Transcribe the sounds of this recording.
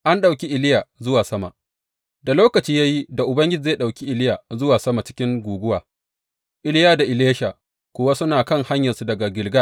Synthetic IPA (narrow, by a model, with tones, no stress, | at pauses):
ʔa˦nɗa˨wkʲi˦ʔɪ˨lɪ˦ja˨zʊ˦waː˨sɐ˦ma̰˨ | da˨loː˦kɐ˨t͡ʃiː˦ja˦ji˦da˨ʔʊ˨bɐ˦ŋɡʲɪ˦d͡ʒi˨zeː˦˨ɗa˨wkʲi˦ʔɪ˨lɪ˦ja˨zʊ˦waː˨sɐ˦ma˨t͡ʃɪ̥˦kʲɪ˦ŋɡʷuː˨ɡʷʊ˦waː˨ | ʔɪ˦lɪ˦jaː˦da˨ʔɪ˨leː˦ʃa˨ | kʷʊ˦wa˦sʊ˦naː˨kɐ˦ŋha˦ɲjɐ˨nsu˦dɐ˨ɡa˨ɡʲɪ˨lɡa˦